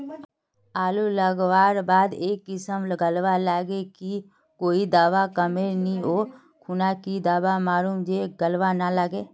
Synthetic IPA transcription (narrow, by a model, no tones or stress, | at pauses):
aːluləɡʋaːɾbaːd̪eːkːɪsəmɡəlʋalaːɡeki | koːid̪aːʋakəmeɾnioː | kʰunakid̪aːʋamaːɾuːmd͡ʒeːɡəlʋanaləɡeː